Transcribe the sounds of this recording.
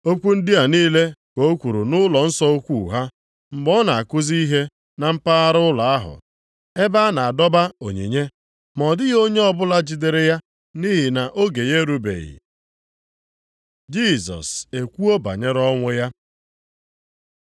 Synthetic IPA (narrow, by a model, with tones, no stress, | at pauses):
o˦kʷu˦n̩˦dɪ˦a˨niː˦le˦ko˨o˦kʷu˨ɾu˨nʊ˦lɔ˨n̩˦sɔ˦o˦kʷu˦˨ɦa˦ | m̩˨bɔ˦na˨a˨kʊ˦zi˦i˦ɦe˦ | na˨m̩˦pa˦a˦ɾʊ˦la˨a˦ɦʊ̰˨ | e˦ba˦na˨a˨dɔ˦ba˦o˨ɲḛ˨ɲe˦ | mɔ˨dɪ˦jo˦ɲe˦ɔ˦bʊ˦la˦d͡ʒi˨de˨ɾe˨ja˦ | ni˦ɦi˨na˨ʔo˦ɡe˨je˦ɾu˦bḛ˨ɣɪ̰˨ | d͡ʒi˦˨sɔ̰˨se˨kʷu˦o˦ba̰˨ɲe˦ɾɔ˦ŋʷʊ˦ja˦